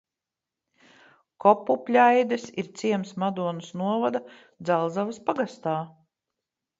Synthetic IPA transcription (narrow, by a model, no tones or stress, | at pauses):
kɔpːupʲlʲajd̪ɛsiɾt̪sʲiɛmsmad̪uɔnusnuɔvad̪a | d̪zalˠzavaspaɡast̪aː